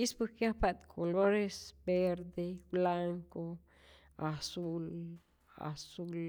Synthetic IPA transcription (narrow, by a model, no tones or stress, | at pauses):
ispukjapat̪kʰoloɾesbeɾd̪eblaŋko | asul | a̰sul